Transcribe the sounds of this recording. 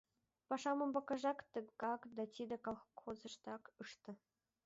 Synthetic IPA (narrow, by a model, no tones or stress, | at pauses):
pɑʂɑmɤ̆mbɑkɑʐɑkt̪ə̆kɑkd̪ɑt̪ʲid̪ɘ̆kɑlˠxxozɤ̆ʃt̪ɑkɯʂt̪ɤ̆